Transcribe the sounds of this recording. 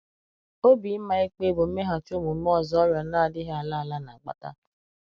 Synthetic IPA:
o˦bi˨˦m̩˦ma˦e˦k͡pe˦bo˨m̩˦me˦ɦa˨t͡ʃo˦mu˨m̩˦m˦ɔ˦zɔ˦ɾja˨˦na˦a˨dɪ˦ɦa˨la˦a˨la˦na˨ɡ͡ba̰˨ta̰˦

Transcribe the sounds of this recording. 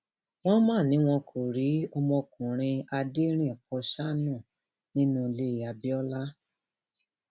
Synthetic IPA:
w̃ɔ̃˦mãː˦˨nĩ˨˦w̃ɔ̃˧kʰo˨ɾi˨˦ɔ˧mɔ̃˧kũ˨ɾ̃ĩ˧a˧de˦ɾ̃ĩ˦ɛ˨pɔ˧ʃa˦nũ˦˨ | nĩ˦nũ˦˧le˦˨a˨bi˦ɔ˦la˦

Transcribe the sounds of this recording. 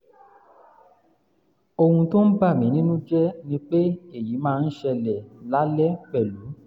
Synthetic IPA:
o˧hũ˧to˦n̩˦ba˦˨mĩ˨˦nĩ˦nũ˦d͡ʒɛ˦nĩ˦k͡pe˦e˦˨ji˨˦mãː˦˧n̩˦ʃɛ˧lɛ˨la˦lɛ˦k͡pɛ˦˨lu˨˦

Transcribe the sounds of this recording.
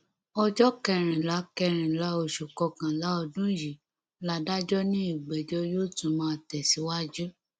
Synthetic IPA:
ɔ˧d͡ʒɔ˦kɛ˧ɾ̃ĩ˨la˨˦kɛ˧ɾ̃ĩ˨la˨˦o˧˨ʃu˨kɔ˧kã˨la˨˦ɔ˧dũ˦ji˨ | la˨˦da˦d͡ʒɔ˦nĩ˦i˦˨ɡ͡bɛ˨d͡ʒɔ˦jo˦˨tũ˨mãː˦˨tɛ˨si˨˦wa˦d͡ʒu˦

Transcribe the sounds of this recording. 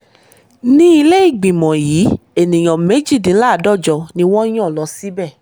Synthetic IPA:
nĩ˦i˧le˦i˦˨ɡ͡bĩ˨mɔ̃˨jiː˨˦e˨nĩ˨j̃ɔ̃˨me˨˦d͡ʒi˦˨dĩ˨˦la˦˨dɔ˦˨d͡ʒɔ˧nĩ˧w̃ɔ̃˦j̃ɔ̃˦˨lɔ˨˧˦si˦bɛ˦˨

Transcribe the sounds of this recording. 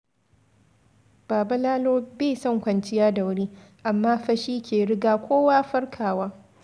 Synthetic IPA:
b̥aː˨ba˦laː˦loː˦beː˦˨sɔ˦˨ŋkʷɐ˨nt͡ʃɪ˦jaː˦da˨wʊ˦ɽiː˦ʔa˨mːaː˦ɸɐ˦ʃiː˦kʲʰeː˨ɽɪ˦ɡaː˨kʷʰoː˦waː˦ɸɐ˦ɽkʰaː˨waː˦

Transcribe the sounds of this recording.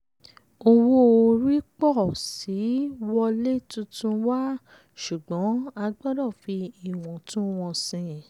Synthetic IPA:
o˧wo˦o˧ɾi˦k͡pɔ˦˨si˨˦wɔ˧le˦tũ˧tũ˧wa˦ | ʃu˨ɡ͡bɔ̃˨˦a˧ɡ͡bɔ˦ɾɔ˦˨fi˧i˦˨w̃ɔ̃˨tũ˦w̃ɔ̃˧sĩ˧

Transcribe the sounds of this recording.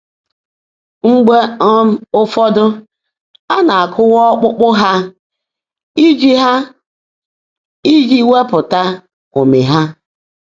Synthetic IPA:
ŋ͡m̩˦ɡ͡be˦ | ʊ˦fɔ˦dʊ˦ | a˦na˨a˨kʰʊ˦wɔ˦k͡pʊ˦k͡pʊ˦ɦa˦ | i˦d͡ʒi˦ɦa˦ | i˦d͡ʒi˦we˦pʊ˨ta˦ | o˨me˨ɦa˦

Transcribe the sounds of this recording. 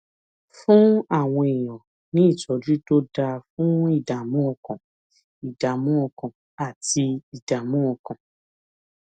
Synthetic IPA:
fũ˦a˦˨w̃ɔ̃˧i˨j̃ɔ̃˨ | nĩ˨˦i˦˨t͡ʃɔ˨˦d͡ʒu˦to˦da˧fũ˦i˦˨da˨mũ˦ɔ˧kã˨ | i˨da˨mũ˦ɔ˧kã˨ | a˨ti˧i˨da˨mũ˦ɔ˧kã˨

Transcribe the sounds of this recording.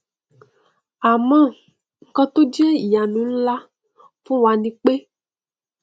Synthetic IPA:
a˨mɔ̃˦ | ŋ̩˦kɔ˦t̪o˦d͡ʒe˦˨ja˨nũ˨n̩˦la˦ | fũ˦wa˨nĩ˨k͡pe˦

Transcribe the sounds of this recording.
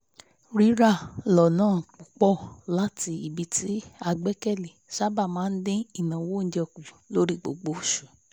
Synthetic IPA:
ɾi˦ɾa˦˨lɔ˨nãː˦˨k͡pu˨k͡pɔ˦˨la˦ti˧˦i˨bi˧˦ti˨˦a˧ɡ͡bɛ˦kɛ˦˨le˨ʃa˦ba˦˨mãː˨˦n̩˦dẽ˦i˦˨nã˨wo˦˨n̩˨d͡ʒɛ˧ku˨lo˨˦ɾi˦˨ɡ͡bo̰˨ɡ͡bo˨˦˨ʃu˨

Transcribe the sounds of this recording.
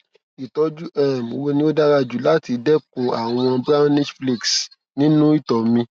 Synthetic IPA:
i˨tɔ˨˦d͡ʒu˦ʔɛ˦˨m˨o˧˦wo˧nĩ˦o˦da˦ɾa˧d͡ʒu˨la˦ti˨˧dɛ˦kũ˨a˨w̃ɔ̃˧bɾã˦nɛ˦tfli˦˨ks | nĩ˦nũ˦i˦˨tɔ˨mĩ˧

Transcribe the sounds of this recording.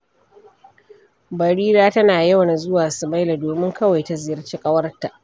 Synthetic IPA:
bɐ˨ɽiː˦daː˦tɐ˦naː˨jɐ˦wna˨zʊ˦waː˨sʊ˨ma˦jla˨doː˨mɪ˦ŋkɐ˦wa˨jta˨zɪ˨jɐ˦rt͡ʃiː˦kʼɐ˦wɐ˦rta˨ʔ

